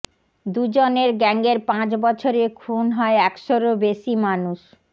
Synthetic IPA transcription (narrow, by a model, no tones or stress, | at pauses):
d̪ud͡ʑoneɾɡɛŋɡeɾpãt͡ɕbɔt͡ɕʰoɾekʰunɦɔeɛkʃoɾobeʃimanuʃ